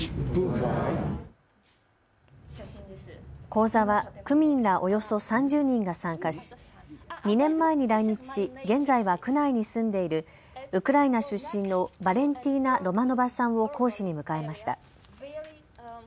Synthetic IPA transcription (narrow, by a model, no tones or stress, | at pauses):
ko̞ːzaβakɯ̟mʲĩnɾaʔo̞jo̞so̞sãɲ̟d͡ʑɨːɲ̟ĩŋɡasãŋkaɕi̥ɲ̟inẽ̞mːae̞ɲ̟iɾaiɲ̟it͡ɕi̥ɕiɡẽ̞nd͡zaiβakɯ̟naiɲ̟isɨ̃nd̪e̞iɾɯ̟ | ɯ̟kɯ̟ɾainaɕɨɕːĩnːo̞baɾẽ̞nt̪ʲiːnaɾo̞mano̞basãɰ̃o̞kʰo̞ːɕiɲ̟imɯ̟kae̞maɕi̥t̪a̰